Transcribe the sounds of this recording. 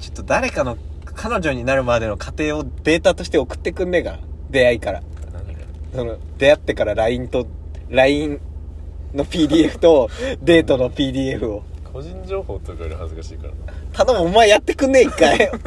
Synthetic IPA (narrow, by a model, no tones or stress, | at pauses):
t͡ɕo̥t̪ːo̞d̪aɾe̞kano̞ | kʰano̞ʑo̞ɲ̟inaɾɯ̟mad̪e̞no̞kʰat̪e̞ːo̞d̪e̞ːt̪at̪o̞ɕi̥t̪e̞okɯ̟̥t̪ːe̞kɯ̟̃nd̪e̞ɡa̰d̪e̞aikaɾa̰ | so̞no | d̪̥e̞at̪ːe̞kaɾaɾaĩnt̪o̞ɾaĩn | no̞pʲiːd̪ʲiːeɸɯ̟̥t̪o̞d̪e̞ːt̪o̞no̞pʲiːd̪ʲiːe̞ɸɯ̟o̞kʰoʑĩɲd͡ʑo̞ːho̞ːt̪okaɾɯhazɨkaɕḭːka̰ɾa̰t̪ad̪omomːaejat̪ːe̞kɯ̟̃nd̪e̞ikːai